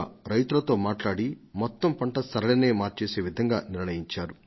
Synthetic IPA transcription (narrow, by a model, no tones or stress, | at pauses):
ɾɐjt̪ulɐt̪o̞ːmaːʈlaːɽimɔt̪ːɐmpɐɳʈɐsɐɾɐlɐneːmaːɾt͡ʃe̞ːse̞ːʋid̪ʱɐŋɡaːniɾɳɐjiɲt͡ʃaːɾu